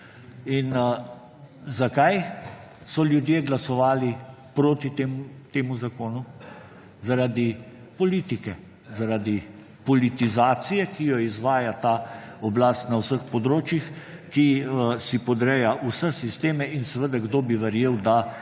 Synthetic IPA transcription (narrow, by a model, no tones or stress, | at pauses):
in | zakajsɔljud̪jeːɡlasɔʋaːlipɾoːt̪it̪emut̪eːmuzakoːnu | zaɾad̪i | pɔliːt̪ikɛ | zaɾad̪i | pɔlit̪izaːt̪sijɛkijɔizʋaːjat̪aɔblast̪nawsəxpɔd̪ɾoːt͡ʃjix | kisipɔd̪ɾɛjaʔusɛsist̪eːmɛinsɛʋəd̪aɡd̪oːbiʋɛɾjeːwd̪a